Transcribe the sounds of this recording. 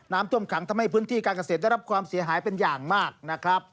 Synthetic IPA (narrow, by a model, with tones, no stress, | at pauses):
naː˦˥mt̪ʰu˥˩əmkʰa˩˦ŋt̪ʰa˧mːɦa˥˩jpʰɯː˦˥nt̪ʰiː˥˩kaː˧nka˧seː˨˩t̪̚a˥˩ɾa˦˥p̚kʰwaː˧msi˩˦ɐɦaː˩˦jpe˧njaː˨˩ŋmaː˥˩k̚na˦˥kʰɾa˦˥p̚